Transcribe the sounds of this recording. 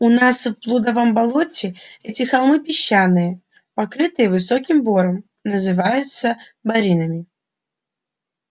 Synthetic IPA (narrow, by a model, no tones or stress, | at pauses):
ʊnasfplˠud̪əvəmbɐlˠotʲɪɛtʲɪxɐlˠmɨpʲɪɕːanːɨjə | pɐkɾɨt̪ɨjəvɨsokʲɪmbo̞ɾəm | nəzɨvajʊt̪sə | bɐɾʲinəmʲɪ